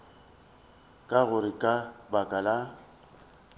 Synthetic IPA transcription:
kʼaɣʊɾɪkʼabakʼala

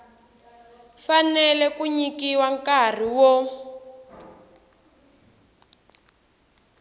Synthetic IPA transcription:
fanɛlɛkuɲikiwaŋkar̤iwɔ

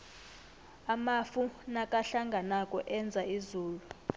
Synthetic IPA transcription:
amafunakʼaɬaŋɡʱanakʼɔʔɛnd͡zʱaizuːlu

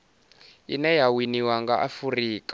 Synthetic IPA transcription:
inɛjawiniwaŋɡaʔafuriːkʼa

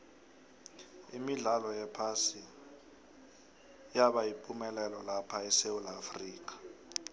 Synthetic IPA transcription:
imiɮalɔjɛpʰasi | jaɓajipʼumɛlɛlɔlapʰaɛsewulafriːk̬ḁ

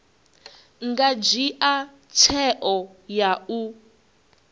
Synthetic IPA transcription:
ŋɡad͡ʒiʔa | t͡ʃʰɛʔɔjau

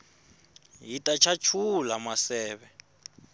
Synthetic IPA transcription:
jitʼat͡ʃʰat͡ʃʰulamasɛːβɛ

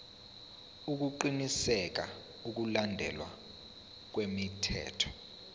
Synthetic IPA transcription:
uk̬uǃinisɛk̬a | uk̬ulandʱɛ̰lwa̰ | k̬wemitʰɛ̰ːtʰɔ̥

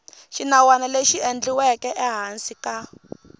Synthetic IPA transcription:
ʃinawanaleʃiend͡ɮiwɛkɛʔɛɦansika

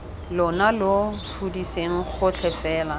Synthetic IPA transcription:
lʊnalofudiseŋ̩χʊt͡ɬʰɛfɛːla

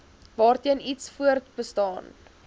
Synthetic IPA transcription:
vɑːrtiənitsfuərtbəstɑːn

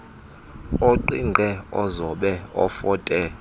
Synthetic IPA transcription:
oǃiɡʱɛɔzɔɓɛɔ̰fɔːtʼɛ

